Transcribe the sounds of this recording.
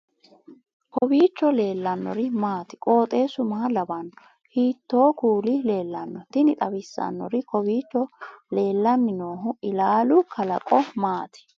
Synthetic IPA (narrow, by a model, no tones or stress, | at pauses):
kɔbiːt͡ʃːɔle̞ːlːɐnːɔ̰ɾɪmaːt̪ɪ̥kʼo̞ːt̪ʼeːsʊmaːlɐbɐnːɔ | hiːt̪ːo̞ːkuːlɪle̞ːlːɐnːɔt̪ɪnɪt̪ʼɐbɪsːɐ̰nːɔ̰ɾɪkʰɔbiːt͡ʃːɔle̞ːlːɐnːɪnoːɦʊɪlaːlʊkʰɐlɐ̰kʼɔmaːt̪ɪ̥